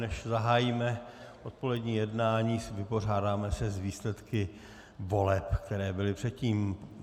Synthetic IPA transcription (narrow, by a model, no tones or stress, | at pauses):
nɛʃzaɦaːjiːmɛʔot̪̚po̞lɛdɲiːjɛdnaːɲiːvɪpo̞r̝aːdaːmɛsɛzviːslɛt̪kɪ | vo̞lɛpkt̪ɛɾɛːbɪlɪpr̝̥ɛt̪̚ciːm